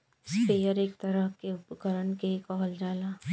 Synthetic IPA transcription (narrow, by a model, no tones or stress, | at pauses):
speːjəɾeːkt̪ɐɾəɦkeʊpɡʱəɾənkekɔɦəld͡ʒaːlaː